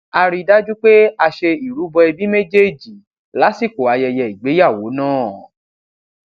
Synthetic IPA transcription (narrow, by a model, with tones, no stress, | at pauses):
a˧ɾi˧da˦d͡ʒu˦k͡pe˦a˧ʃe˧i˨ɾu˨˦bɔ˧ɛ˧bi˦mẽ˦d͡ʒe˦d͡ʒi˨ | la˨˦si˦˨ko˨a˧jɛ˧jɛ˧i˨ɡ͡be˨˦ja˦˨wo˨˦nãː˦˨